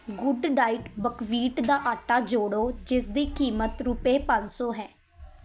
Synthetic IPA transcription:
ɡʊɖɖaːiʈbəkʋiːʈd̪aːʔaːʈaːd͡ʒoːɽoːd͡ʒɪsd̪iːkiːmət̪ɾʊpeːpə̃nsoːɦɛː

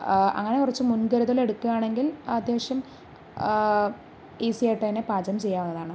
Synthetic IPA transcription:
ɐ̰ŋːɐne̞kurɐt͡ɕːɨmunkɐɾuðɐle̞ɽukːuɣaːɳe̞ŋɡilɐd̪jeːɕjɐm | isieʈːɐjnepaːd͡ʑɐmt͡ɕe̞jːaːmɐnːɐðaːɳɨ

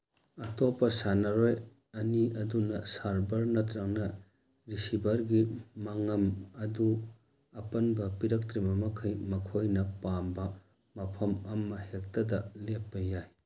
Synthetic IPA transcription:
ɐtopːɐsanɐɾoj | ɐniɐdunɐsaɾbɐɾnɐt̪ɾɐŋnɐ | ɾisibɐɾɡimɐŋɐmɐdu | ɐpɐnbɐpiɾɐk̚tɾimɐmɐkʰɐjmɐkʰojnɐpambɐ | mɐpʰɐmɐmːɐhek̚tɐdɐlepːɐjaj

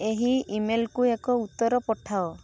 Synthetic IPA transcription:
eɦiimelkuekɔut̪ːɔɾɔpɔʈʰaɔ

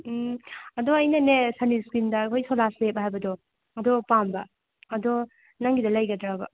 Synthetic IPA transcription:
ɐdɔɐjnɐnesɐniskɾindɐkʰojsolaslep̚ɐɦajbɐdɔ | ɐdɔpambɐ | ɐdɔ | nɐŋɡidɐlɐjɡɐdɾabɐ

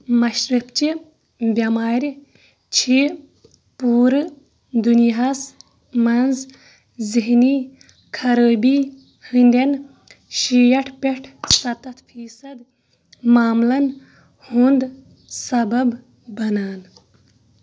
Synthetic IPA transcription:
mɐʃɾipt͡ʃi | bʲɐmaːɾʲi | t͡ʃʰi | puːɾɨ | d̪unijɦas | mɐnz | ziɦniː | kʰɐɾəːbiː | hɨnd̪ʲen | ʃijɐʈʰpʲeʈʰsɐt̪ɐt̪ʰfʰiːsɐd̪ | maːmlɐn | hund̪ | sɐbɐb | bɐnaːn

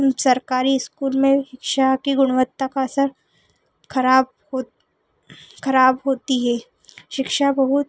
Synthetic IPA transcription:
sɐɾkaːɾiɪskuːlmẽʃɪkʃakiɡʊɽ̃ʋət̪ːakaɐsəɾ | kʰɐɾaːb̚ | ho | kʰɐɾaːbɦoːt̪iɦɛː | ʃɪkʃabɐɦʊt̪

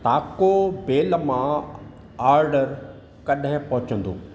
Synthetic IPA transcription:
t̪aːkobeːlmã | aːɾɖəɾ | kɐɗɦɪ̃pɐɦʊt͡ɕə̃nd̪o̰ː

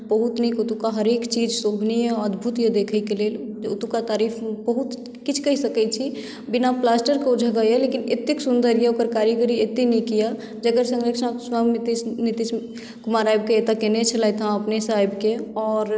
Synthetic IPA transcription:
bəɦut̪nikut̪ukaɦəɾekt͡ʃid͡ʒsobʱnijeəd̪bʱut̪jed̪ekʰəjkelel | d͡ʒut̪ukat̪aɾipʰbəɦut̪ | kit͡ʃʰkəɦisəkɛt͡ʃʰi | binaplasʈəɾkeud͡ʒʱəɡajelekinet̪ːiksund̪əɾjeokəɾkaɾjeɡəɾiet̪ːinɛjkija | d͡ʒəɡəɾsə̃ŋɡɾəkt͡ʃʰãswamit̪isnit̪is | kumaɾajb̚keet̪akenet͡ʃʰəlajt̪ɦãəpnesajbkeɔːɾ

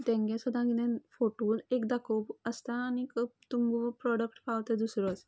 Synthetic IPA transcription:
t̪ɛ̃ŋɡẽsud̪ʱãɡid̪ɛ̃nfoʈolekd̪akopəst̪aːnikt̪umɡupɾɔɖəkʈpaʋt̪ɛd̪usɾɔt͡s

